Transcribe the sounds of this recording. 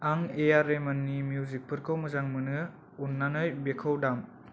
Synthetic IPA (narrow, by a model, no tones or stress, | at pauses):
aŋejaɾemɐnːimjuzik̚pʰɯɾkʰɯwmɯzaŋmɯnɯ | unːanɯjbekʰowdam